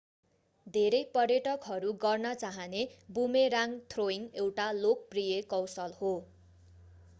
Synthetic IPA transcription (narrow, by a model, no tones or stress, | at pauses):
d̪ʱeɾʌjpʌrjʌʈʌkɦʌɾuɡʌrnʌt͡saɦʌnebumeɾaŋt̪ʰroiŋewʈalok̚prijekʌwsʌlho